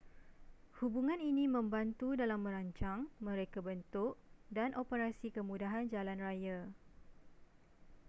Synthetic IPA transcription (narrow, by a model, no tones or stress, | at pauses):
hubuŋãninĩmə̃mbant̪udalamːə̃ɾaɲt͡ʃaŋmə̃ɾekabənt̪ʊʔdanʔopəɾasikəmũdaɦand͡ʒalanraja